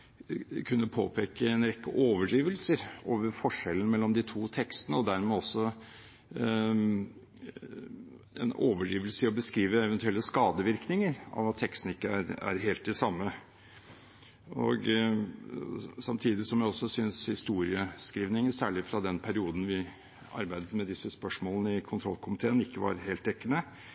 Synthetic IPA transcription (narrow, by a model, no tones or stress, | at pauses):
kʰʉnːəpʰo̰ːpʰeːkəɛnɾɛkːə̰ʔoːʋəɖiːʋəlsəɾoːʋəɾfɔʂɛlːən̩mɛlːɔmd̪ɪt̪ʰuːt̪ʰɛkst̪ənəɔd̪æɾmɛːɔsːɔ | ɛ̰noːʋəɖiːʋəlsəɾɔbəskɾiːʋəɛʋɛnt̪ʉɛlːəskɑːd̪əʋɪɾknɪŋəɾɑ̰ʋɑt̪ʰːɛkst̪n̩ɪkːəæɾæ̰ɾɦeːlt̪̚d̪ɛsɑmːə | ɔ̰ɡ | sɑmt̪ʰiːd̪ɪsɔmjæɪɔsːɔsʏnshɪst̪uːɾɪəskɾiːʋnɪŋəsæːɭɪfɾɑd̪ɛnpʰæɾɪuːd̪n̩ʋɪ | ɑ̰ɾbæɪd̪ət̪mɛd̪ɪsəspœʂmoːlnəɪkʰʊnt̪ʰɾɔlːkʰʊmɪt̪ʰeːənɪkːəʋɑ̰ɾɦeːlt̪ɛkːənə